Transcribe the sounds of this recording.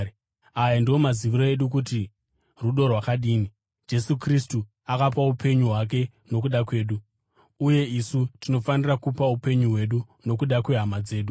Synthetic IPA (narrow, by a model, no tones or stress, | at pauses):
ajandiwo̞maziʋiɾo̞eɗuk̬uti | ruɗo̞rwakaɗiːni | d͡ʒe̞sukristu | akapaupʰe̞ɲuɦwak̬e̞ | no̞k̬uɗakwe̞ːɗuː | je̞isutino̞fanirakupaupe̞ɲuɦwe̞ɗu | no̞kuɗakwe̞ɦamad͡ze̞ːɗu